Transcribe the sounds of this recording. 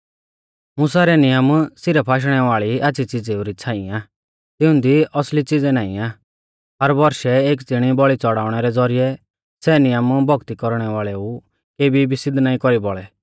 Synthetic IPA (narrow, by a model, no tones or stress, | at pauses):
mʊ̃s̬aɾɛnɪjəmsɪɾɛpʰaːʃ̬ɽ̃ɛʋaːɭiaːt͡sʰit͡sɪd͡zeuɾit͡sʰãːĩaː | t̪ɪʊ̃nd̪iɔslit͡sɪd͡zɛnaːḭ̃aː | ɦɐɾbɔɾʃɛeːk̬t͡sɪɽ̃ibɔɭit͡sɔɽaːʊɽ̃ɛɾɛd͡zɔɾijɛ | sɛnɪjəmbʱɔɡt̪ikɔɾɽ̃ɛʋaːɭɛu | keːbʱibɪsɪd̪ʱnaːĩkɔɾibɔɭɛ